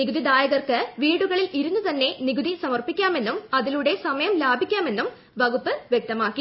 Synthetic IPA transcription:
niɡuðid̪aːjɐɣɐrkɨʋiːɽuɣɐɭiliɾunːut̪ɐnːe̞niɡuðisɐmɐrpikʲːaːme̞nːumɐðiluɽe̞sɐmɐjɐmlaːbʱikʲːaːme̞nːum | ʋɐɣupːɨʋjek̚t̪ɐmaːkːi

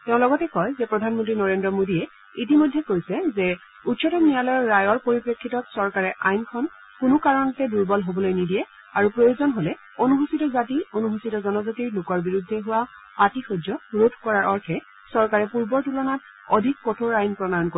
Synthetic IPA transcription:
tɛʊ̃lɔɡɔtɛkɔjzɛpɹɔdʱanmɔntɹinɔɹendɹɔmodiɛ | it̬imojdʱːɛkojsɛzɛ | utsʰɔtɔnijalɔjɔɹajɔɹpoɹipɹekʰːitɔtsɔɹkaɹɛʔajnkʰɔn | kʊnʊkaɹɔnɔtɛduɹbɔlɦobɔlojnidijɛ | aɹupɹojozɔnɦolɛ | onuɦusitɔzationuɦusitɔzɔnɔzɔtiɹlʊkɔɹbiɹudʱːɛɦuwa | atixod͡ʒɔɹodʰkɔɹaɹɔɹtʰɛ | sɔɹkaɹɛpuɹbɔɹtulɔnat | ɔdʱik̚pɔtʰoɹajnpɹɔdajɔnko

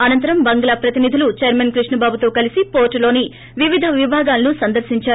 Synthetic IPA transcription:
ɐnɐnt̪ɐɾɐmbɐŋɡɐlaːpɾɐt̪inid̪ʱulut͡ʃɐɾmɐnkɾiʂɳɐbaːbut̪o̞ːkɐlisipo̞ːɾʈulo̞ːni | ʋiʋid̪ʱɐʋibʱaːɡaːlɐnusɐnd̪ɐɾʃiɲt͡ʃaːɾ

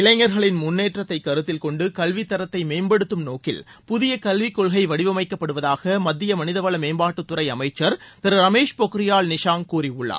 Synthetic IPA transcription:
ɪɭɐɪŋːɐɾɣɐɭɪnmʊnːeːʈrɐt̪ːɐɪkːɐɾɯt̪ːɪlkɔɳɖɯkɐlʋit̪ːɐɾɐt̪ːɐɪmeːmbɐɽɯt̪ːɯmnoːkɪ̰l | pʊðɪjɐkɐlʋɪkːɔɭɣɐɪʋɐɽɪʋɐmɐɪkːɐpːɐɽɯʋɐðaːɣɐmɐd̪ːɪjɐmɐnɪðɐʋɐɭɐmeːmbaːʈːɯt̪ːʊɾɐɪɐmɐɪt͡ʃːɐɾt̪ɐɾɯɾɐmeːʂpɔkɪɾɪjaːɭnɪʂaːŋkuːɾiʊɭːɐ̰

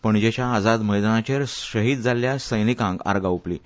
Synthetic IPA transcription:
pəɳd͡ʑat͡ɕjaːd͡zad̪məjd̪anat͡ɕeɾɕəɦiːd̪̚d͡zʱaljasəjnikãŋɡa̰ɾɡauplḭ

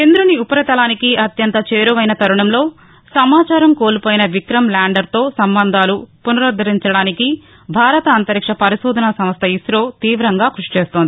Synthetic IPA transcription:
end̪ɾuniupɐɾɐt̪ɐlaːnikiɐt̪jɐnt̪ɐt͡ʃeːɾuʋɐjnɐt̪ɐɾuɳɐmlo̞ː | sɐmaːt͡ʃaːɾɐmkoːlupoːjinɐʋikɾɐmlaːɳɖɐɾt̪o̞ːsɐmbɐnd̪ʱaːlupunɐɾɐd̪ʱɐɾiɲt͡ʃɐɽaːniki | bʱaːɾɐt̪ɐːnt̪ɐɾikʂɐpɐɾiʃɔːd̪ʱɐnɐsɐmɐst̪ʰɐisɾoːt̪iːʋɾɐŋɡaːkɾuʂi̥t͡ʃeːst̪oːnd̪i

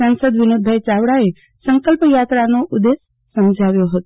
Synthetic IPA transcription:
ansəd̪ʋɪnod̪̚bʱajt͡ʃaʋɽae | səŋkəlpəjat̪ɾanoʔud̪esː | əmd͡ʒʱaʋjoɦət̪o

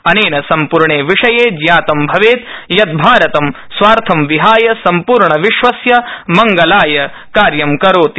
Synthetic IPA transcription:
ɐneːnɐsɐmpuɾɳeːʋiʂɐjeːd͡ʒjaːt̪ɐmbʱɐʋeːt̪jɐt̪̚bʱaːɾɐt̪ɐm | sʋaːɾt̪ʰɐmʋiɦaːjɐsɐmpuːɾɳɐʋiʃʋɐsjɐmɐŋɡɐlaːjɐ | kaːɾjɐmkɐɾoːt̪i

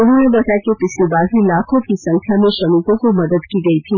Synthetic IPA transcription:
ʊɽnẽbəʈakepɪslbaːzʱilakʰõkisɐ̃ŋkʰjamẽʃɐmit̪õkomɐd̪əd̪kiɡəit̪ʰiː

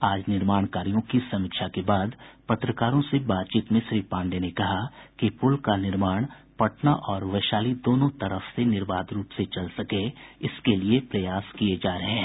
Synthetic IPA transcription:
aːd͡ʒnɪɾmaːɳkaːɾijõkisɐmɪkʃakebaːd̪pɐt̪ɾəkaːɾõsebaːt̪̚t͡ʃiːt̪mẽʃɾiːpãːɳɖenekɐɦakepʊlkanɪɾmaːɽ̃ | pɐʈnaʔɔːɾʋɐʃaːlid̪oːnõt̪ɐɾəfsenɪɾbaːd̪ɾuːpset͡ʃɐlsɐkeɪskeliepɾɐjaːskied͡ʒaːɾɐɦẽ

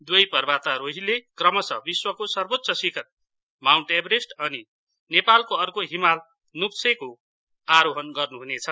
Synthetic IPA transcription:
d̪wejpʌrbat̪aɾoɦilekrʌmʌsʌbiswʌkosʌrbot̪ːsʌsikʰʌt̪̚ | mawɳʈebɾesʈʌni | nepalkoʌrkoɦimal | nupseko | aɾoɦʌnɡʌrnuɦunet͡sʰʌ

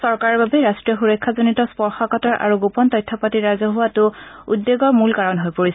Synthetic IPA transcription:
sɔɹkaɹɔɹbabɛɹastɹijɔxuɹɔkʰːazonitɔspɔɹxɔkatɔɹʔa̰ɹuɡupɔntɔjtʰːɔpatiɹazɔɦuwatʊudːeɡɔɹmulkaɹɔnɦojpoɹisɛ

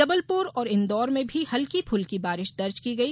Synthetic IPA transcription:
ɐbəlpʊɾɔːɾɪ̃nd̪ɔːɾmẽbʱihɐlkipʰʊlkibaːɾɪʃd̪ɐɾd͡ʒkiɡɐiː

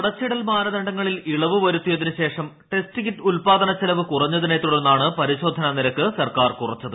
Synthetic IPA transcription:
kuɽɐt͡ɕːiɽɐlmaːnɐðɐɳɖɐŋːɐɭiliɭɐʋɨʋɐɾut̪ːijɐðinɨɕe̞ːʂɐm | ʈe̞stiɣitːulpaːd̪ɐnɐt͡ɕːelɐʋɨkurɐɲːɐðinet̪ːuɽenːaːɳɨpɐɾiɕo̞ːd̪ʱːɐnɐniɾɐkːɨsɐrkaːrkurɐt͡ɕːɐðɨ

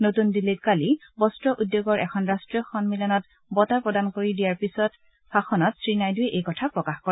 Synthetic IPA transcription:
notundilit̚kalibɔstɹɔʔudːjoɡɔɹʔɛkʰɔnɹastɹiɔxɔnmilɔnɔt | bɔtapɹɔdankoɹidijaɹpisɔt | faxɔnɔtsɹinajduɛʔejkɔtʰapɹɔkaxkɔ

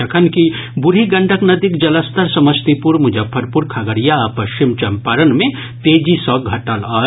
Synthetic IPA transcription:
ɐkʰənki | bʊɾiɡɐ̃ɳɖʱəknɐd̪ikd͡ʒɐləst̪ʰəɾsɐməst̪ipuɾmʊd͡ʒəpʰːəɾpuɾkʰaɡəɾijaːpɐʃt͡ʃimt͡ʃɐmpaɾənmẽ | t̪eːd͡ʒisɔːk̚ɡʱɐʈalaː

